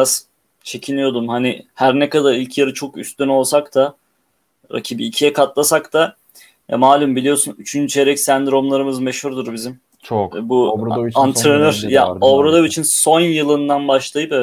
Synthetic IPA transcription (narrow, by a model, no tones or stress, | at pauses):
az̥ | t͡ʃʰe̞cʰinijo̞d̪umhanɪhæɾnɛkad̪aɾilʲcʰjaɾɯt͡ʃʰo̞ky̰st̪yno̞lˠsakt̪ʰa | ɾa̰cʰibiːcʰijɛkʰat̪lˠasakt̪ʰa | ja̰maːlʲymbilʲijo̞sunyt͡ʃʰynt͡ʃʰeɾɛcsænd̪ɾo̞mlˠaɾɯmɯzmeʃhuɾd̪uɾbizim | t͡ʃbuant̪ɾenøɾja̰obɾad̪ˠabit͡ʃʰinso̞njɯlˠɯnd̪anbaʃlˠajɯpɛɛ